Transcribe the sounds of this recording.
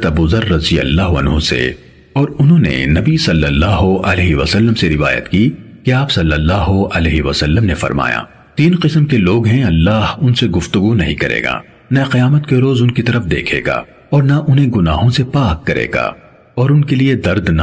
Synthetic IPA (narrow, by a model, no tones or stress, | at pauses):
t̪ɐbuːzɐɾːɐzijɐ̰lːaːɦɐ̰nɦusḛ | ɔːɾʊnɦõːnḛnɐbisɐlːəlːaːɦoɐlɛːɦiʋɐsəlːəmseɾɪʋa̰ːjə̰t̪kikeaːpsɐlːəlːaːɦoɐlɛːɦiʋɐsɐlːəmnefɐ̰ɾma̰ːja̰ː | t̪iːnqɪsəmkeloːɡɦɛ̃ɐlːaːɦʊnseɡʊft̪ʊɡunɐɦĩkɐɾḛːɡa̰ː | nɐqɐjaːmət̪keɾoːzʊnkit̪ɐɾəfd̪ḛːkʰḛːɡa̰ː | ɔːɾnɐʔʊnɦẽɡʊnaːɦõsepaːkːɐɾḛːɡa̰ː | ɔːɾʊnkelied̪ɐɾd̪na